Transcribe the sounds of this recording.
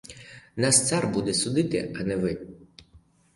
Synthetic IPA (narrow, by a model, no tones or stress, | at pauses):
nɑst̪sɑrbud̪ɛsʊd̪ɪt̪ɪ̰ɐnɛʋɪ